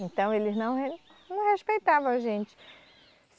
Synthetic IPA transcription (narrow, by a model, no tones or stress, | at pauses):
ẽnt̪ɐ̃w̃elɪznɐ̃w̃nɐ̃w̃heʃpejt̪avɐ̃ʒẽnt͡ʃɪ̥ | s